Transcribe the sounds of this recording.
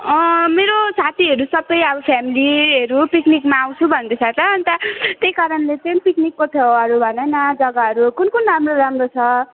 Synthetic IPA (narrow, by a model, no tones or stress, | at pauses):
ʌ̃meɾosat̪ʰiɦʌɾusʌbʌjʌbʌpʰjamiliʌɾupiknikmaːw̃t͡sʰubʱʌnd̪et͡sʰat̪ʌʌnit̪ʌt̪ejkaɾʌnlet̪enpiknikːot̪ʰʌʌɾubʱʌnʌnʌd͡zʌɡaɦʌɾukunkunramroɾamrot͡sʰʌ